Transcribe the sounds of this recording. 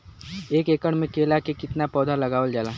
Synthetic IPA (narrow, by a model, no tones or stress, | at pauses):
eːkeːkəɽ̃mẽkeːlakekɪt̪napɔːd̪ʱalɐɡaːʋəld͡ʒaːlaː